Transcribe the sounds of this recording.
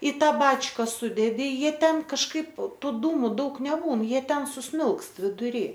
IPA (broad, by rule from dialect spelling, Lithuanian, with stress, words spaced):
ɪ ˈtɑː ˈbɑːt͡ʃkɐ ˈsʊdʲɛdʲɪ ˈjiɛ ˈtʲɛn kɐʃˈkɐɪp ˈtuː ˈduːmʊ ˈdɐʊk nʲɛˈbuːn ˈjiɛ ˈtʲɛn sʊˈsʲmʲɪlˠkst ʋʲɪdʊˈrʲiː